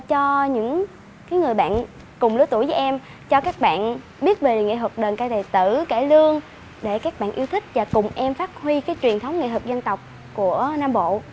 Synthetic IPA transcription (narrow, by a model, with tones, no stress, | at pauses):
t͡ɕɔ˧ɲɨ̰˧˥ŋ | kaː˨˦jŋɨ˨˩əjɓa̰ː˧˨n | kʊ˨˩ŋ͡mlɨ˧˦t̪u˧˩jvəː˨˦ʔɛ˧m | t͡ɕɔ˧kaː˦˥k̚ɓa̰ː˧˨n | ɓi˦˥ət̚ve˨˩lḛ˨˩ŋḭ˧˨hwə˨˩k̚ɗəː˨˩nkaː˧˩jɗ̪e˨˩t̪ɨ˧˩ke˧˩lɨ˧əŋ | ɗe˧˩kaː˦˥k̚ɓa̰ː˧˨nʔi˧əwt̪ʰï˦˥k̟̚vaː˨˩kʊ˨˩ŋ͡mʔɛ˧mfaː˦˥t̚hwi˧kaː˨˦jt͡ɕwi˨˩ənt̪ʰə˨˦wŋ͡mŋḛ˧˨t̪wk̚zə˧nt̪ə˨˩wk͡p̚ | ku˧˩ənaː˧mɓo̰˧˨